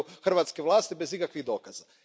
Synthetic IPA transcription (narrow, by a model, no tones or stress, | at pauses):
uxr̩ʋat̪skeʋlˠaːst̪ibe̞zikakʋiɣd̪o̞ːkaza